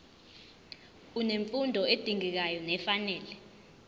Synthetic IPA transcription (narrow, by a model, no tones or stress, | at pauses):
uneɱfundʱɔed̥ʱiŋik̬ajɔnɛfanɛːlɛ